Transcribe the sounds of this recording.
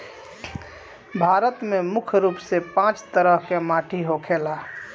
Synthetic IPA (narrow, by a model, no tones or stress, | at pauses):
bʱaːɾət̪memʊkʰɾuːpsepãːt͡ʃt̪əɾəɦkemaːʈʰiɦokʰeːlaː